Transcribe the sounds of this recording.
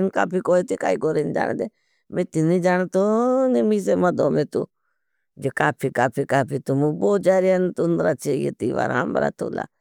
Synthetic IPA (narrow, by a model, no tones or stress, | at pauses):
nkaːpʰikoːit̪ika̰ːiɡoːɾend͡ʒa̰ːnd̪e | met̪inid͡ʒaːnt̪onimis̬emɐd̪oːmet̪ṵ | d͡ʒekaːpʰikaːpʰikaːpʰit̪umuboːd͡ʒaːɾiant̪und̪ɾat͡ʃʰejḛt̪iʋa̰ɾamb̰ɾa̰t̪ṵːla̰